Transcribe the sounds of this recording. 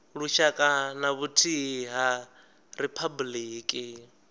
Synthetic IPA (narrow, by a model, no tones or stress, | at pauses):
ɺuʃakʼanaβutʰiɦa | ripʰabuliːkʼi